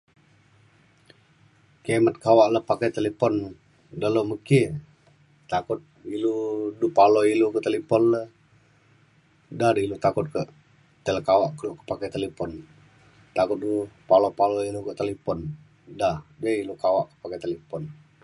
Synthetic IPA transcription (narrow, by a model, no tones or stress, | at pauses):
kamat̪̚kawaʔləhpakat̪elepɔn | daloməki | t̪akʊt̪̚iludupalɔilukəʔt̪elipɔnləh | dadilut̪akʊt̪̚kəʔ | t̪eləkawaʔkəlkə̥pakɛt̪elepɔn | t̪akʊt̪̚dupalɔpalɔilukəʔt̪elipɔn | dahd͡ʒəilukawaʔkə̥paket̪elepɔn